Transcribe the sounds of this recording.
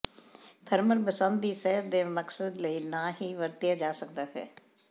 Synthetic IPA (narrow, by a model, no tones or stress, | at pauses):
t̪ʰəɾməlpəsə̃nd̪ːiːsɛːəd̪eːməksəd̪ləiːnãːhiːʋəɾt̪ɪjaːd͡ʒaːsək̚d̪aːɦɛ̰ː